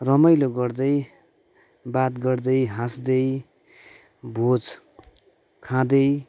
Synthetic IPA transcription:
rʌmʌjloɡʌrd̪ʌj | bat̪ɡʌrd̪ʌjɦãsd̪ʌj | bʱod͡z | kʰãd̪ʌj

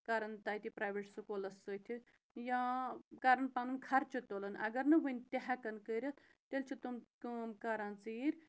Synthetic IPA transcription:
kaɾɐnt̪aːjt̪ipɾaːjʋeʈsukolɐsːot̪ʰi | jãkaɾɐnpaːnɨnkʰɐɾt͡ʃʰit̪olɐnɐ̰ɡɐɾnɨʋɐnʲt̪ʲeɦakɐnkəɾʲjɐt̪ | t̪elt͡ʃʰit̪umkmkaɾãːnt͡siːɾ

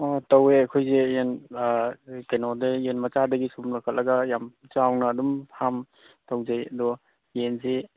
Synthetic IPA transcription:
ɔtɐweɐkʰojzejen | kenɔdejenmɐt͡ʃadɐɡisumlakʰatlɐɡɐjamt͡ʃawnɐːdumpʰam | tawzajɐdɔ | jenze

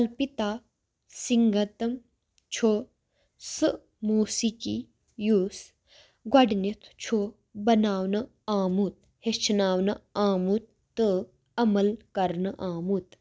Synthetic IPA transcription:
ɐlpit̪aː | siŋɡɐt̪ɐm | t͡ʃʰo | sɨ | muːsiki | juːs | ɡɐɖnit̪ʰt͡ʃʰo | bɐnaːwnɨ | aːmut̪̚ | het͡ʃʰnaːwnɨaːmut̪̚ː | ɨ | ɐmɐlkɐɾnɨʔaːmut̪

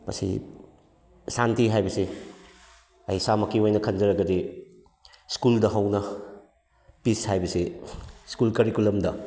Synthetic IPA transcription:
mɐ̰sḭ | santiɦajbɐsi | ɐjsamɐkːiojnɐkʰɐnd͡ʒɐɾɐɡɐdi | skuldɐɦɐwnɐ | pishajbɐsiskulkɐɾikulɐmdɐ

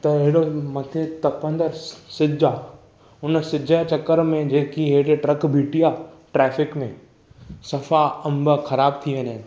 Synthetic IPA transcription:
t̪ɐɪɦɪɽomɐt̪ʰet̪ɐpə̃nd̪əɾsɪd͡ʑa | ʊnəsɪd͡ʑʱət͡ɕɐkːəɾmẽd͡ʑeːkiɦeɽeʈɾɐkbʱiːʈija | ʈɾɛːfɪkmẽ | sɐfaɐ̃mbəxɐɾaːbt̪ʰiʋeːnaɦɪnɪ̆

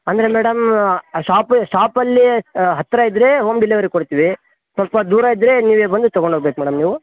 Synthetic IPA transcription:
ɐnd̪ɐɾemɛːɽɐmʂaːpʃaːpɐlːiɦɐt̪ːɾaid̪ɾe̞ːɦoːmɖilːeʋɐɾikoɽt̪iːʋi | sʋɐlpɐd̪uːɾaid̪ɾe̞ːniːʋeːbɐnd̪ut̪ɐɡoɳɖʱoɡ̚beːkumɛːɽɐmniːʋu

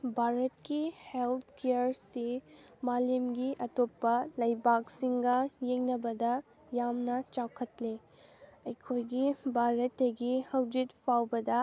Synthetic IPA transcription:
bʱaɾɐt̚kihelt̪ʰkejəɾsi | malemɡiʔɐtopːɐlɐjbak̚siŋɡɐjeŋnɐbɐdɐ | jamnɐt͡ʃakʰɐtle | ɐjkʰojɡibʱaɾɐtːɐɡihɐwd͡ʒit̚pʰawbɐdɐ

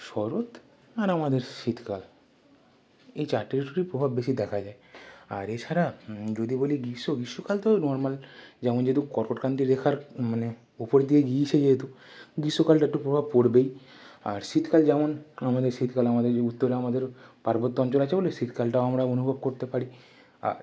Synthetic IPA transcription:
ʃɔɾot̪ | aɾamad̪eɾʃit̪ʰkal | ejt͡ɕaɾʈːiɾiʈuɾipɾobʱabːeʃid̪ɛkʰad͡ʑaea̰ɾet͡ɕʰaɾad͡ʑod̪iboliɡisoɡisokalt̪onɔɾmald͡ʑɛmond͡ʒet̪ukɔɾkoʈkɾant̪iɾd̪ekʰaɾmane | upɔɾd̪ijeɡiːt͡ʃʰed͡ʒet̪u | ɡisokalʈaʈːupɾobʱab̚koɽbej | a̰ɾsit̪kald͡ʒɛmɔnamad̪eɾsit̪ʰkalamad̪eɾut̪ːɔɾeamad̪eɾpaɾbɔt̪ːɔɔnt͡ʃɔlat͡ʃʰebolesit̪ʰkalʈaoamɾaonubʱɔb̚koɾt̪epaɽi | a̰ɾ

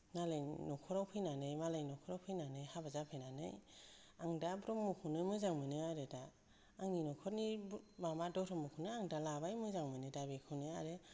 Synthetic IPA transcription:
nalajnɔkʰɔɾawpʰɯjnanɯjmalajnɔkʰɔɾawpʰɯjnanɯjhabazapʰɯjnanɯ̰jaŋdabɾɔmukʰunɯjmɯzaŋmɯnɯaɾedaː | ŋninɔkʰɔɾnimamadɔtʰɔmukʰunɯaŋdalabajmɯzaŋmɯnɯdabekʰɯwnɯaɾe

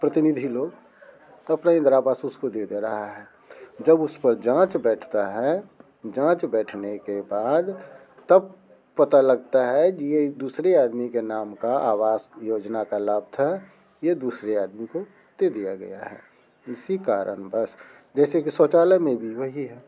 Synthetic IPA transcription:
pɾət̪ɪnid̪ʱiloːɡ | ɐpnaɪ̃nd̪ɾaːbaːsʊskod̪ed̪eɾəɦaɦɛː | d͡ʒəbʊspəɾd͡ʒãːt͡ʃbɛːʈʰt̪aɦɛ | d͡ʒãːt͡ʃbɛːʈʰnekebaːd̪ | t̪əb̚ | pət̪aləɡt̪aɦɛijed̪uːsɾeaːd̪mikenaːmkaaːwaːzjoːd͡ʒnakalaːb̚t̪ʰɦɛ | jed̪uːsɾeaːd̪miko | d̪̥ed̪ijaɡə̰ja̰ɦɛ̰ː | ɪsikaːɾʔə̰ɳbəs | d͡ʒɛːsekisoːt͡ʃaːləmẽbʱiʋəɦiɦɛː

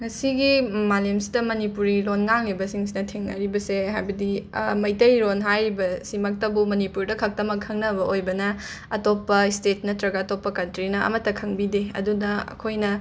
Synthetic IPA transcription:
ŋɐsiɡimalemsidɐmɐnipuɾilonŋaŋlibɐsiŋsinɐtʰiŋnɐ̰ɾibɐseɦajbɐdimɐjtɐjɾonɦajɾibɐsimɐk̚tɐbumɐnipuɾdɐkʰɐk̚tɐmɐkʰːɐŋnɐbɐʔojbɐnɐ | ɐtopːɐistet̚nɐtɾɐɡaɐtopːɐkɐntɾinɐɐ̰mɐtːɐkʰɐŋbideɐ̰dunɐɐ̰kʰojnɐ

